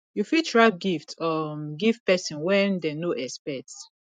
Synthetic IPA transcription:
jufitʰɹak̚ɡiftɔɡivpɛsɔ̃nwɛ̃ndɛnoʔɛspɛts

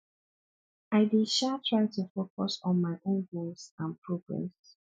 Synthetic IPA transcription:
aɪdiʃatʰɹaɪtʰufokɔsɔ̃nmaɪʔõnɡolsãnpʰɹɔɡɹɛ̰̃ms

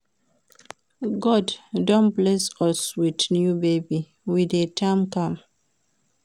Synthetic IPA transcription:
ɡɔddõnblɛsɔswidnjubebi | widetʰãmkãm

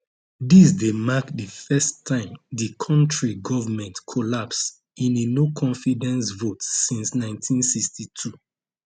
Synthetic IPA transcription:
disdemakdəfɛstʰːãɪ̃mdikʰɔ̃ntɹiɡɔvəmɛ̃ntkʰɔlaps | ĩnenokʰɔ̃nfidɛ̃nsvotsĩnsnãɪ̃ntʰĩnsikstʰitʰu

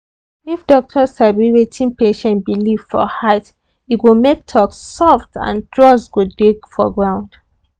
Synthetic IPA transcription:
ifdɔk̚tʰɔshabiɹetʰĩnpeʃɛ̃ntbilivfɔ̰haɪt | itwimek̚tʰɔksːɔftã̰ntɹɔswudekfɔɡɹãʊ̃nd̥

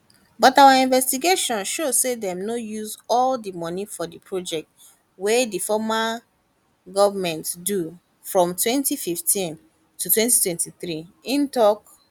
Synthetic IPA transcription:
bɔtawaĩnvɛstiɡeʃɔ̃nʃosedɛ̃mnojuzɔldimɔ̃nifɔdipʰɹod͡ʒɛk̚t | wedifɔma | ɡɔvamɛ̃ntdu | fɹɔ̃mtwɛ̃ntififtʰĩn | tutwɛ̃ntitwɛ̃ntiθɹiĩntɔk

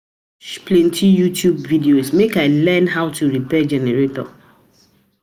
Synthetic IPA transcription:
ʃplẽntʰijutjubvidiosmekaɪlɛnɦaʊtuɹipɛd͡ʒɛneɹetɔ̰

